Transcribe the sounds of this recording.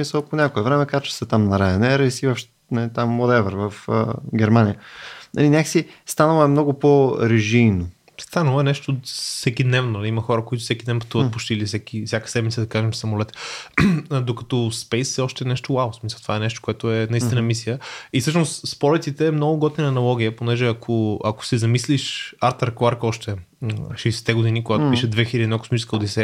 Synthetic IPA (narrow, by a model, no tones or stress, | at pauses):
smisəlˠponʲakoɛvɾɛmɛkat͡ʃ̪ʊ̥sət̪amnɐɾajonɛɾisivɐfʃ | nit̪amːod̪ɛvəɾvəfɡʲɛɾmanijənɐ̰linʲaksist̪anəlˠəɛmnɔɡʊpoɾɛʒiːno | st̪anəlˠɛnɛʃt̪ofsɛkid̪nɛvnonɐliimɐxɔɾəkoit̪ʊ̥sɛkʲid̪ɛnpɐ̥t̪uvəpo̥t͡ʃt̪ilifsɛkifsʲjakə̥sɛd̪mit̪səd̪ɐkaʒɛmfsɐmolɛt̪ɛ̥ | d̪okɐt̪ɔspɛjsɛɔʃt̪ɛnɛʃt̪owavosmisəlˠt̪ovaɛnɛʃt̪o̥koɛt̪ʊɛnɐist̪inəmisijəisɤʃnoʊsːpɔɾit̪sit̪ɛːmnɔɡʊɡɔt̪nʲinɐnɐlˠɔɡ̟ijəponɛʒɛakʰoɐ̰ko̥sizɐmisliʃaɾt̪əɾɛkˠaɾkɔʃt̪ɛ | ʃɛjsɛ̥t̪ɛɡod̪inikoɡat̪opiʃɛd̪vɛxilʲəd̪inako̥smit͡ʃɛskəod̪isɛ